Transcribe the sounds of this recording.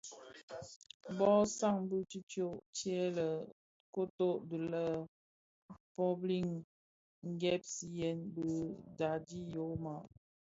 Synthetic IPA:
bɔ˦sa˦ŋbu˦t͡ʃi˦t͡ʃjo˦˨ʔt͡ʃjɛ˦lə˨ | ko˦to˦ʔdu˨lə˦ | pɔ˦bli˦˨ŋ | ŋ̩˦ɡɛ˦p̚si˨jɛ˦nbə˦da˨di˦jo˨˦ma˨ʔ

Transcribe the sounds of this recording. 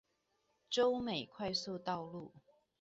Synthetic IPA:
ʈ͡ʂo˥˦ʊme˨˩ɪkʰwa˥˧ɪsu˥˧t̪ɑ˥˧ʊlu˥˩

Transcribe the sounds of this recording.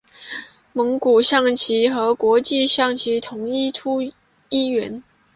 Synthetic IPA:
mɤ˧˥ŋku˨˩ɕjɑ˥˩ŋt͡ɕʰi˧˥xɤ˧˥kwɔ˧˥t͡ɕi˥˧ɕjɑ˥˩ŋt͡ɕʰi˧˥t̪ʰʊ˧˥ŋi˥˩ʈ͡ʂʰu˥ | i˥˩ɥɛ˧˥n

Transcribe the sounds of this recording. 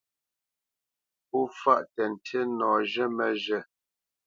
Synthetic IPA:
pu˦fa˦ʔtɛ˨n̩˨tʰe˦nɔ˨ʒɛ˦mɛ˨ʒɛ˦˨

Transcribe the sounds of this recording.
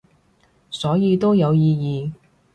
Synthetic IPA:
sɔː˨˥jiː˨˧t̪o˥wjɐ˨˧wjiː˧jiː˨˧

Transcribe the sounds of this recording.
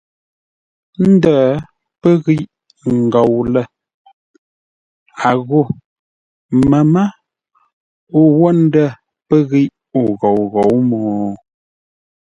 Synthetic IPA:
n̩˦də˦˨ | pə˦ɣi˦ʔ | ŋ̩˨ɡɔ˨wlə˦˨ | a˨ɣo˦˨ | mə˨mə˦ | u˨wɔ˦n̩˦də˦˨ | pə˦ɣi˦ʔ | u˨ɣo˨wɣo˨˦wmɔː˨˦

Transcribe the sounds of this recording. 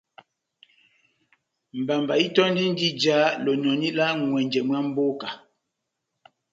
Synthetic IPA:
m̩˨ba˨mba˨i˦tɔ˦n˦di˦n˦di˦d͡ʒa˨˦lo˨nɔ˨ni˦la˦ŋwɛ˨ɲd͡ʒɛ˨mwa˦m̩˦bo˦ka˨

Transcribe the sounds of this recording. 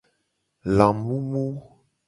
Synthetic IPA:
lã˨mbu˦mu˦

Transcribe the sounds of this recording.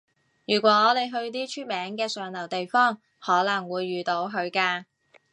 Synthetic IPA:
jyː˨˩kʷɔː˨˥ŋɔː˨˧le˨˧jɦɵ˧ɥt̪iː˥t͡ʃʰyː˥t̚mɛː˨˥ŋkɛː˧sœː˨˧ŋlɐ˨˩wt̪e˨jfɔː˥˩ŋ | hɔː˨˥lɐ˨˩ŋwuː˨˧jːyː˨t̪o˨˥wɦɵ˨˧ɥkaː˧

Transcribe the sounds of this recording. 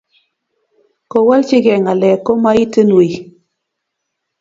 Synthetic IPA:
ko˨wa˦lt͡ʃi˦kɛ˨ŋa˨lɛ˨ko˦ma˦i˦tɨ˦nwi˨

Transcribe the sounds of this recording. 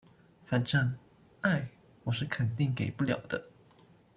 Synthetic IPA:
fa˧˥nʈ͡ʂa˥˧ŋ | a˥˩ɪ | wɔ˨˩ʂɻ̩˥˩kʰə˨˩nt̪i˥˩ŋke˨˩ɪpu˥ljɑ̰˨˩ʊd̪ə˦

